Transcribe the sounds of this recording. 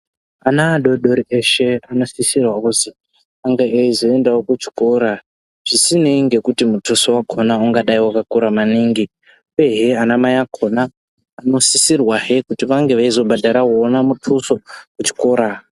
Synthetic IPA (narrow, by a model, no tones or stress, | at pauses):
anaːɗo̞ɗo̞ɾieʃeano̞sisirwaɦuzi | aŋɡaʔeizoe̞ndawokut͡ʃi̥koɾa | ʐ̥isineŋɡe̞kutimutʰuso̞wakʰonauŋɡaɗaiwakakuɾamaniːŋɡi | ueɦeanamajakʰo̞naː | no̞sisirwaɦe̞kutiʋaŋɡe̞ʋaizo̞bʱadaɾawoːnamutʰuso̞kut͡ʃi̥ko̞ːɾa